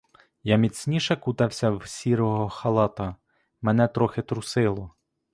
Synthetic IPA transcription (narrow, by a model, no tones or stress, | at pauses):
jamʲit͡sʲnʲiʃɛkut̪ɐwsʲɐwsʲiɾɔɦɔxɐlˠɑt̪ɐ | mɛnɛt̪ɾɔxɪt̪ɾʊsɪlˠɔ